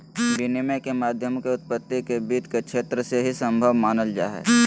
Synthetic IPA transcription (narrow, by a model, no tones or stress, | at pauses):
ɾinimekemaːd̪ʱjəmkeʊt̪̚pət̪ːikebiːd̪kekʃʰeːt̪ɾəseɦisə̃mbʱəʋmaːnəld͡ʒa̰ːɦḛː